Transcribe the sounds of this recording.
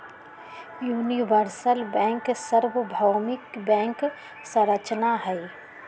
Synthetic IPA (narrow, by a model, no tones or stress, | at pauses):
juːniʋəɾsəlbɛ̃ːŋksəɾʋəbʱawmɪkbɛ̃ːŋk | sə̃ɾət͡ʃnaɦɛi